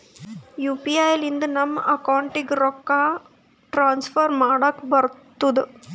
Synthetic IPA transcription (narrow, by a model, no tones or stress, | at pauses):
juːpiaːjlind̪unɐmːʔɐkaːɳʈikɾɔkːaː | ʈɾaːnsfʰɐɾmaːɽɐkːbɐɾt̪ːud̪u